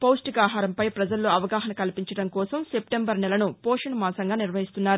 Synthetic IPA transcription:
poːsʈiɡaːɦaːɾɐmpɐjpɾɐd͡ʒɐlːoːɐʋɐɡaːɦɐnɐkɐlpiɲt͡ʃɐɽɐŋkɔːsɐmsepʈembɐɾnɛlɐnupɔːʂɐɳɐmaːsɐŋɡaːniɾʋɐɦist̪unːaːɾu

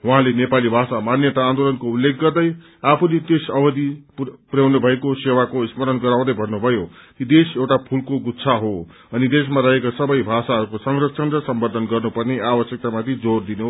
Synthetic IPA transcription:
wuɦãlenepalibʱasamanjʌt̪aːnd̪olʌnkoulːek̚ɡʌrd̪ʌj | apʰunit̪esʌbʌd̪ipuɾjawnobʱʌekosewakoismʌɾʌnɡʌɾaw̃d̪ʌjbʱʌnːubʱʌjot̪id̪esewʈapʰulkoɡut̪sʰaɦo | ʌnid̪esmaɾʌɦekasʌbʌjbʱasaɦʌɾukosʌŋrʌksʰʌnɾʌsʌmbʌd̪ʱʌnɡʌrnupʌrneabʌsjʌk̚t̪amat̪ʰid͡zord̪ino

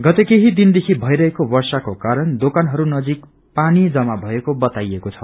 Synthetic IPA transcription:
ɡʌt̪ekeɦid̪ind̪ekʰibʱʌjɾʌɦekobʌrsakokaɾʌnd̪okanɦʌɾunʌd͡zik | panid͡zʌmabʱʌekobʌt̪ajekot͡sʰʌ

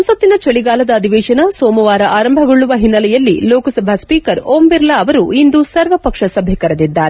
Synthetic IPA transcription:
ɐmsɐt̪ːinɐt͡ʃɐɭiɡaːlɐd̪ɐːd̪ʱiʋɛːʃɐnɐsoːmɐʋaːɾɐʔaːɾɐmbʱɐɡoɭːuʋɐɦinːɐlɛjɐlːiloːkɐsɐbʱɐspiːkɐɾoːmbiɾlɐːʋɐɾuind̪usɐɾʋɐpɐkʂɐsɐbʱɛkɐɾɐd̪id̪ːaːɾe

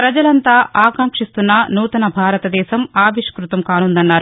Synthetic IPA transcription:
pɾɐd͡ʒɐlɐnt̪aːʔaːkɐŋkʂist̪unːɐnuːt̪ɐnɐbʱaːɾɐt̪ɐd̪ɛːʃɐmaːʋiʂkɾut̪ɐmkaːnund̪ɐnːaːɾu

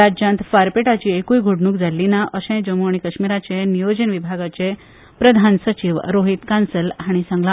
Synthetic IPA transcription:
ad͡ʑãnt̪faɾpeʈat͡ɕiːekujɡʱoɽnuːkd͡zalːinaʔəsɛ̃d͡ʑəmoɳ̃ikəɕmiɾat͡ɕenijod͡ʑənʋibʱaɡat͡ɕe | pɾəd̪ʱansət͡ɕiʋɾoɦit̪kansəlɦaɽ̃isə̃ŋɡla

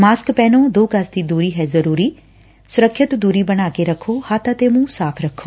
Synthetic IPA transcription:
maːskpɛːnoːd̪oːkasd̪iːd̪uːɾiːɦɛːzəɾuːɾiː | sʊɾəkʰʃɪt̪d̪uːɾiːbəɽ̃aːkeɾəkʰoːhaːt̪ãːt̪eːmũːsaːpʰɾəkʰːoː

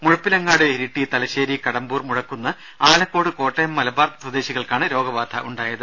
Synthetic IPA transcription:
muɻɐpːilɐŋːaːɽɨeɾiʈːit̪ɐlɐɕeːɾikɐɽɐmbuːrmuɻɐkːunːɐ | aːlɐkːo̞ːɽɨko̞ːʈːɐjɐmːɐlɐbaːrt̪ɐsɐd̪eːɕiɣɐɭkaːɳɨɾo̞ːɡɐʋaːd̪ʱʰɐ̰ʔuɳɖaːjɐðɨ

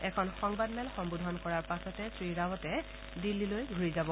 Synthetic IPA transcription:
ɛkʰɔnxɔŋbadmɛlxɔŋbudʱɔnkɔɹaɹpasɔtɛsɹiɹawɔtɛ | dilːilojɡʱuɹizabɔ

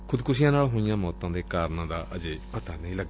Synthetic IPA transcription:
kʰud̪kus̬ijãnaɭɦũɲãmɔt̪ːãŋd̪ekaɾnad̪aʔɐd͡ʒepɐt̪anɐjlɐɡ̚

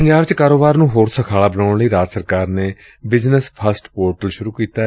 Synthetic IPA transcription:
pəɲd͡ʒaːbt͡ʃkaːɾoːbaːɾnũːɦoːɾsəkʰaːɭaːbənaːɳləiːɾaːd͡ʒsəɾkaːɾneː | bɪznəspʰəsʈpoːɾʈəlʃʊɾuːkiːt̪aː

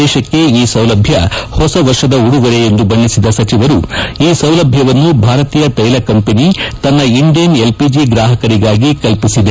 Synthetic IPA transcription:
ɛːʃɐkːe̞iːsɐwlɐbʱjɐhɔsɐʋɐɾʂʃɐd̪ɐuɽuɡɐɾejend̪ubɐɳːisid̪ɐsɐt͡ʃiʋɐɾuiːsɐwlɐbʱjɐʋɐnːubʱaːɾɐt̪iːjɐt̪ɐjlɐkɐmpenit̪ɐnːɐiɳɖijɐne̞lpid͡ʒiɡɾaːɦɐkɐɾiɡaːɡikɐlpisid̪e

